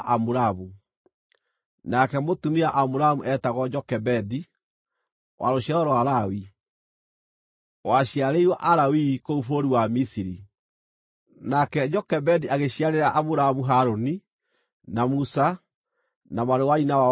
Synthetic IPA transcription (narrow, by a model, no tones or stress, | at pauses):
ʔamuɾamu | nakɛmotumiaʔamuɾamuʔɛtaɣɔd͡ʒɔkɛbɛdi | wʔa̰ɾoɕɛɔɾɔwaɾawi | waɕiaɾeiɾwaʔaɾawikoufoɾiwamisiɾi | nakɛd͡ʒɔkɛbɛdiʔaɣeɕiaɾeɾaʔamuɾamuɦaɾoni | namusa | namaɾewainawa